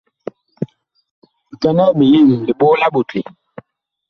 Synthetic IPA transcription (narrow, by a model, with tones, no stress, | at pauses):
ta˦nɔ˦ʔmi˨ji˦˨m˨li˨ɓo˦la˦ɓo˨ti˨